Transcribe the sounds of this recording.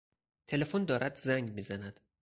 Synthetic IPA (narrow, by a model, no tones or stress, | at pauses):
t̪ʰe̞le̞fond̪ɒːɾæd̪zæŋɡmiːzænæd̪̥